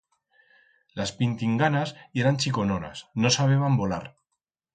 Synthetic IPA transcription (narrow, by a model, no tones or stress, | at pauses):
laspint̪iŋɡanaseɾanʲt͡ʃikonona̰snosaβ̞eβambola̰ɾ